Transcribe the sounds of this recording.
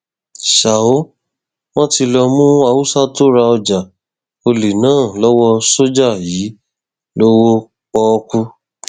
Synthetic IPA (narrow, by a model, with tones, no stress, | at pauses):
ʃa˨o˦ | w̃ɔ̃˦ti˧lɔ˧mũ˦a˧wu˦sa˦to˦ɾa˧ɔ˧d͡ʒa˨ | o˧li˨nãː˦˨lɔ˦wɔ˦so˦d͡ʒa˦˨ji˨˦ | lo˦wo˦ | k͡pɔ˧ku˦